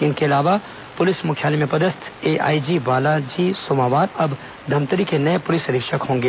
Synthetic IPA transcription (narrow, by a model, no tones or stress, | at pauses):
ɪnkeɐlaːʋa | pʊlɪsmʊkʰjaːlimẽpɐd̪əst̪ʰeːʔa̰ːid͡ʒiʋaːlad͡ʒiːsoːmaːʋaːɾɐb | d̪ʱɐmt̪əɾikenɐepʊlɪsɾɪkʃəkɦõːŋɡeː